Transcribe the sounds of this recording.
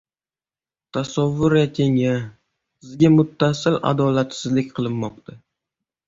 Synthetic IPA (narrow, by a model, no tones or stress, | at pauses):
t̪ʰasavːʊɾat̪ʲʰeŋa | sɪzɡʲamʊt̪ʰːasɪlʔa̰d̪ɒlat̪sɪzlɪkʲqʰɨlˠɪmːɒq̚t̪ʰa